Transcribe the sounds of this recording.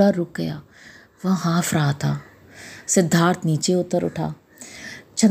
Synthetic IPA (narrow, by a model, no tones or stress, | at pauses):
aɾʊk̚ɡɐjaː | ʋɐ̃ɦaːfʰɾaɦat̪ʰaː | sɪd̪ʱːaːɾt̪ʰniːt͡ʃeʊt̪ːəɾʊ̰ʈʰa̰ː | t͡ʃʰən